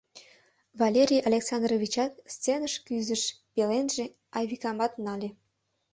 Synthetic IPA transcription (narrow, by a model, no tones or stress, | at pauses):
vɑlʲeɾʲijalʲeksɑnd̪rovʲit͡ɕɑt̪̚st͡senəʃkyzəʃ | pelenʒe | ɑjβʲikɑmɑt̪nɑlʲe